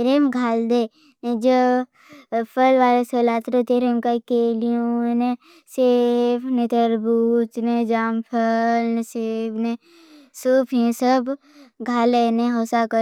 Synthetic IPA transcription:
ɾemɡʱaːld̪e | d͡ʒo | pʰəlʋaːlesəlaːt̪ɾot̪eːɾemkakeːlijõne | sepʰnet̪əɾbuːt͡ʃned͡ʒaːmpʰəlsepʰne | suːpʰjẽsəb | ɡʱaːleneɦoːsakə

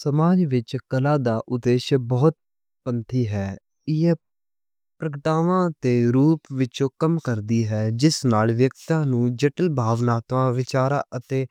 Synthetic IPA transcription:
səmaːd͡ʒʋɪt͡ʃkəlaːd̪aːʔʊd̪eːʃbɔːt̪̚ | pənt̪ʰiːɦɛː | ɪɛː | pɾəkəʈaːʋãːt̪eːɾuːpʋɪt͡ʃõːkəmkəɾd̪iːɦɛːd͡ʒɪsnaːlʋjəkt̪ãːnũːd͡ʒɛʈəlbʱaːʋnaːt̪ʋãːʋɪt͡ʃaːɾaːʔət̪eː

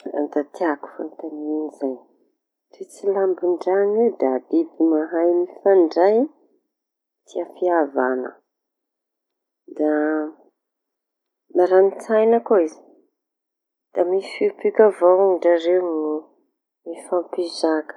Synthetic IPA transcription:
d̪at̪iaku̥fa̰nt̪aninizaj | t̪it͡silambiɳɖ͡ʐaniwd̪ad̪ibimaɦajmifaɳɖ͡ʐaj | t̪iafiavanə̰ | d̪a | naɾanit͡sajnəkoizi̥ | d̪̥amifipikʲavowɳɖ͡ʐaɾenu | mifampizakə̥

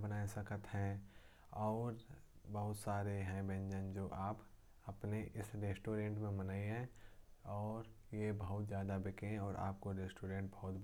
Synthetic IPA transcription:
bənaːesɐkət̪ɦɛ̃ | ɔːɾ | bɐɦʊt̪saːɾeɦɛ̃bɛ̃ɲd͡ʒə̃nd͡ʒoːʔaːp | ɐpneʔɪsɾeːsʈoːɾẽːɳʈmẽmɐnaːiɦɛ̃ | ɔːɾ | jebɐɦʊt̪zjaːd̪abɪkẽɔːɾʔa̰ːp̚koɾeːsʈoːɾẽːɳʈ̚bɐɦʊt̪b

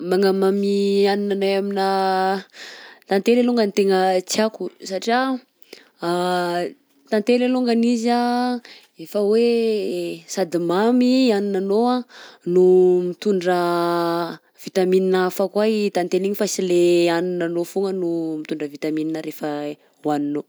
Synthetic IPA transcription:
maŋamamianinanaamina | t̪ant̪eleluŋɡənit̪eŋət͡siakusaʈ͡ʂia | t̪ant̪eleluŋɡaniza | efəwe | sad̪imamianinanoanumit̪uɳɖ͡ʐə | v̥it̪amininafakwait̪ant̪eliɲifasileaninanofuŋənumit̪uɳɖ͡ʐəvit̪amininəɾefə | wanino

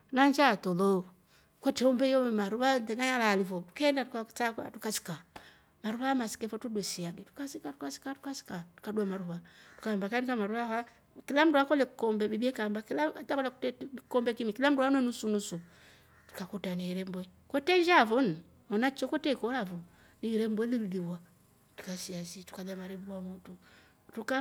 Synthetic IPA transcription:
naɲd͡ʒatɔlɔ | kɔtɛɔmbɛjɔmɛmaɾuβantɛŋaɲalalivɔtu̥kɛndatukat͡saka̰tukasi̥ka | maɾuβaamasi̥kɛfɔtudwɛsiaɡɛtu̥kasikatu̥kasi̥katu̥kasi̥katu̥kaduamaɾuβatu̥kambakankamaɾuβaha | kilam̩duakɔlɛkɔmbɛbibiɛkambaklaatakɔlakɛkɔmbɛkimikilam̩duanwɛnusunusu | tu̥kakutaniɾɛmbwɛkwɔtɛɲd͡ʒavɔn̩ | ɔnat͡ʃɔkɔtɛkɔɾavu | niɾɛmbwɛliliðiwa | tu̥kasiasitu̥kalamaɾɛbuwamɔtu | tuka

